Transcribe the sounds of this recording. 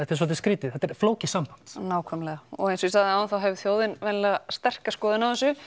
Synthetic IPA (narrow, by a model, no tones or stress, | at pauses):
ɛht̪ɪɾs̬ɔːt̪ɪskɾiːt̪ɪðθɛt̪ɛɾfloːwcɪsampan̥t̪naːwkʰvœːmalɛɣaɔ̰ɣejnsɔist̪aːðɪaːwɪnθawɦɛvɪθjoːwðɪnvɛnlɛːɣast̪ɛr̥kaskɔːðɪnawɛsʏ